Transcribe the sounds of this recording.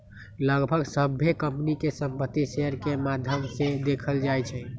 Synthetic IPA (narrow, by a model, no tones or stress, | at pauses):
ləɡbʱəɡsəbʱːekə̃mpnikesə̃mpət̪ːiseəɾkemad̪ʱjəmsẽd̪ekʰəld͡ʒajt͡ʃʰɛ